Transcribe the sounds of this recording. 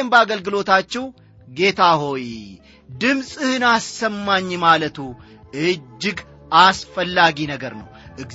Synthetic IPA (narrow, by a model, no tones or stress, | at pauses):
ɛmbəaɡəlɡɨlo̞t̪at͡ʃːɛw | ɡe̞t̪ʰaho̞j | d̪ɨmsʼɨhɨnasːəmːaɲːmalət̪ʰu | ʔɨd͡ʒːɪɡ | ʔasfəlːaɡinəɡəɾnə̰wʔɨɡ